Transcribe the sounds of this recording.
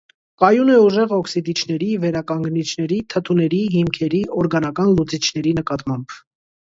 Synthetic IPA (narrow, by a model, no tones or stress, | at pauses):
kɑjunɛuʒɛʁɔksid̪it͡ʃʰnɛɾivɛɾɑkɑŋɡnit͡ʃʰnɛɾit̪ʰət̪ʰunɛɾiɦimkʰɛɾiɔɾɡɑnɑkɑnlut͡sit͡ʃʰnɛɾinəkɑt̪mɑmb̥